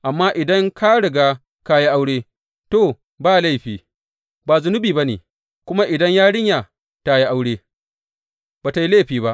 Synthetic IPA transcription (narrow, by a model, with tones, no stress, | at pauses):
ʔa˨mːaː˦ʔɪ˨dɐ˦ŋkʰa˦ɽɪ˨ɡaː˦ | ka˦ji˦ʔa˦wɽeː˦ | toː˦˨ | baː˦˨la˦˨ɸiː˨ | baː˨zʊ˨nʊ˦biː˨ba˦nḛː˨ | kʷʊ˦ma˦ʔɪ˨dɐ˦ɲjaː˦ɽɪ˦ɲja˨ | ta˦ji˦ʔa˦wɽeː˦ | baː˨ta˨ji˦leː˦˨ɸiː˨βa˦ʔ